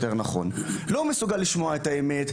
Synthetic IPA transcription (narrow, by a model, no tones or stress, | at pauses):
t̪e̞ʁnaχo̞̰nlo̞mesuɡalːiʃmo̞aetaeme̞t̪